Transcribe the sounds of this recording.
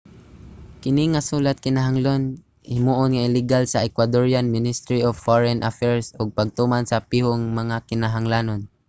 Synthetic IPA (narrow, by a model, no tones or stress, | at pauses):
kɪnɪŋasuːlat̪̚kɪnaɦaŋlon | hɪmuːʔʊnŋaɪlɪɡalsaɛkwad̪oɹjanmɪnɪst̪ɾiovfoɹɛnʔafɛɹsʊɡ̚paɡ̚t̪umansapihoŋmaŋakɪnaɦaŋlaːnon